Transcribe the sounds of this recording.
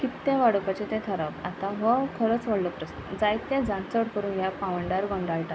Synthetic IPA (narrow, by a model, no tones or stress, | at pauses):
kit̪ːẽʋaɽupat͡ɕet̪ɛ̃t̪ʰaɾapat̪ãɦəkʰəɾət͡sʋəɽləpɾəst̪əd͡zajt̪ːɛ̃d͡zaɳt͡səɽkəɾuːnjapãʋəɳɖaɾɡɔ̃ɳɖajʈa